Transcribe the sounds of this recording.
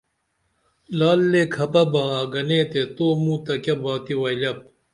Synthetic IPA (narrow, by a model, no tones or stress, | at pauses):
laːlːeːkʰɐpɐbãːaːɡɐneːt̪et̪oːmũːt̪ɐkɐbãːt̪iwɐilɐp̚